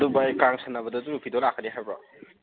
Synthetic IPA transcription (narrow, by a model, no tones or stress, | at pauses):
dubajkaŋsʰɐnːɐbɐdɐduɾupʰidolakʰːɐniɦajbɐ̰